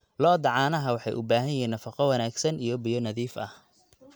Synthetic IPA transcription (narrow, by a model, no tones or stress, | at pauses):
lɔːd̪ɑʕɑːnɐɦɐwɑħɑjʔʊbaːɦɐjɐɦiːnːɐfɑqɔwɐnaːɡsɐnijɔbɪjɔnɐðiːfʔɐ̰h